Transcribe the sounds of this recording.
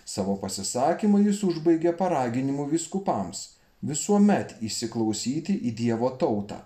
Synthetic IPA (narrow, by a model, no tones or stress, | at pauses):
sɑːʋoːpɐsʲɪsɑːkʲimɐjɪsʊʒbɐɪɡʲɛpɐɾɑːɡʲɪnʲɪmuʋʲiːskʊpɐms | ʋʲɪsuɔmʲɛt̪iʃʲsʲɪklˠɒʊsʲiːt̪ʲɪʔiːd̪ʲiɛʋoːt̪ɒʊt̪ɑ̰ː